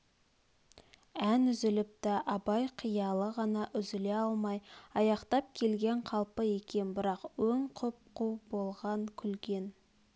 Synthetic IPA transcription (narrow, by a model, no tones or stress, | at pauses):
ænʏzɪlɪp̚t̪ɪʔɑbɑjqʰijɑlˠəʁɑnɑʔʏzɪleɑlˠmɑjɑjɑqt̪ɑp̚kʲʰe̞lɡʲe̞ɴqʰɑlˠpəe̞kʲe̞nbɪɾɑqwɵŋqʰʊp̚qubo̞lˠʁɑŋkʲʰʏlɡʲe̞n